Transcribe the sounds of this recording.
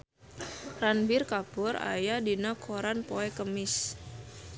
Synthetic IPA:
ranbirkapʊra̰jadinakʰoɾanpoɛkəmɪs

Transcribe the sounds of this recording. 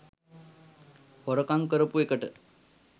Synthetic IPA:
hoɾəkaŋkəɾəpuekəʈə

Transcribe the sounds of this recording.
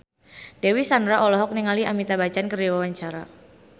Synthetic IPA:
dɛwisandɾaʔɔlɔɦɔk̚niŋaliamit̪abat͡ʃankərdiwawaɲt͡ʃaɾa̰

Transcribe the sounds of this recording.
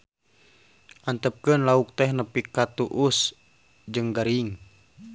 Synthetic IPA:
ʔant̪əp̚kənlauk̚t̪ɛhnəpikat̪uʔus | d͡ʒɨŋɡəɾiŋ

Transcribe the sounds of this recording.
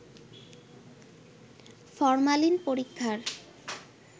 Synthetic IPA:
fɔɾmalinpoɾikʰːaɾ

